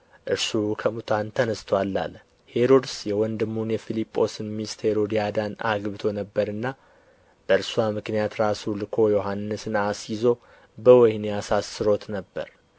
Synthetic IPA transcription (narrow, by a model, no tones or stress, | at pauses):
ʔɨɾsukʰəmut̪ʰant̪ʰənəst̪ʰwalːa̰l | he̞ɾo̞d̪sjɛwɔnd̪ɨmːunjɛfilipʼːo̞sɨnmist̪he̞ɾo̞d̪ijad̪ana̰ɡbɨt̪ʰo̞nəbːəɾɨnːa | b̥əɨɾsuamɨknijat̪ɾasulɨkʰo̞jo̞ɦanːɨsɨnasjizo̞ | bəwɔjneasasːɨɾo̞t̪nəbːə̰ɾ